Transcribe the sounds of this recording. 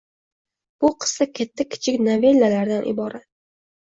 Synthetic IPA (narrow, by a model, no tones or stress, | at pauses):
b̥ʊqʰɨ̥st̪akʲʰat̪ʰːakʲʰɪ̥t͡ʃʰɪkʲnave̞lːalaɾd̪anʔɪ̰bɒɾʔat̪̚